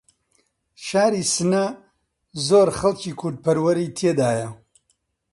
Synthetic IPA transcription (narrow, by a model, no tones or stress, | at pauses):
ʃaːɾiːsɨnɐ | zoːɾχɐlciːkʰʊɾd̪̚pɐɾwɐɾiːt̪ʰed̪aːjɐ